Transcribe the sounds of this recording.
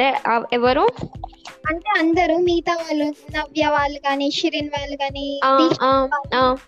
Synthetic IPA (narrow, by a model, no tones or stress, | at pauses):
eɛʋɐɾu | ɐɳʈeːɐnd̪ɐɾumiːt̪ɐʋaːlunɐʋjɐʋaːluɡaːniːʃiɾinʋaːluɡaːniːaːiːt͡ʃaːaːaː